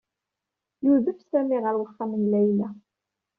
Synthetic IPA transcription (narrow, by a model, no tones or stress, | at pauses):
juðəfsæmiʁəɾwəχːæmənlæjlæ